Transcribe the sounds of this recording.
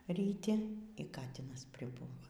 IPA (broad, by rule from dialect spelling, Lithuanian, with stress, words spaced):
rʲiːˈtʲɪ iː ˈkɑːtʲɪnɐs pʲrʲɪˈbuːʋɐ